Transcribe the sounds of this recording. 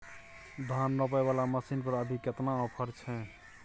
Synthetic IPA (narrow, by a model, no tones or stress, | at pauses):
d̪ʱanːəpɛbalaməsinpəɾəbʱiket̪naɔpʰəɾt͡ʃʰɛ